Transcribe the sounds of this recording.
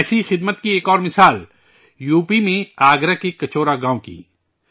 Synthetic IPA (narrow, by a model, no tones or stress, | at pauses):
ɛːsixɪd̪mət̪kieːkɔːɾmɪsaːl | juːpimẽaːɡɾakekɐt͡ʃoːɾaɡãːõkḭː